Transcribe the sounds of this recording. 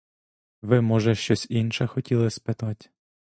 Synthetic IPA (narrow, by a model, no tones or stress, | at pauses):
ʋɪmɔʒɛʃt͡ʃɔsʲinʃɐxɔtʲilˠɪspɪt̪atʲ